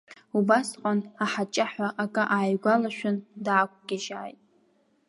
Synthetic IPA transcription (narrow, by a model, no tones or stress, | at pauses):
ubasqʼanaħat͡ʃʼaħʷaʔakʼaʔaːjɡʷalaʃᶣʊndaːkʷʰʼɡʲɪʒaːjtʼ